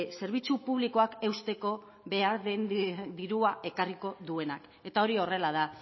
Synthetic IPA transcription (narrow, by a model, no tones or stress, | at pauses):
se̞ɾβ̞it͡supuβ̞liko̞ake̞wst̪e̞ko̞ | βe̞aɾðend̪iɾuaʔe̞kariko̞ðue̞nak | e̞t̪ao̞ɾio̞re̞lað̞a